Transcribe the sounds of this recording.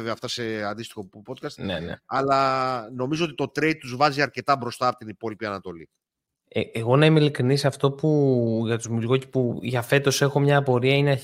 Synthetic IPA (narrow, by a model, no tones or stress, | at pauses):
veɐft̪ɐse̞ɐnd̪ist̪i̥xo̞pot̪kɐst̪nḛnḛɐlɐno̞mizoo̞t̪i̥t̪o̞t̪ɾejd̪̚t̪uzvɐziɐɾce̞t̪ɐbɾo̞st̪ɐːpo̞t̪inipo̞lipiɐnɐt̪o̞li | eeɣo̞nɐimilikɾinisɐft̪o̞puʝɐt̪uzmulɣocipuʝɐfe̞t̪o̞se̞xo̞mɲɐːpo̞ɾiɐineɐ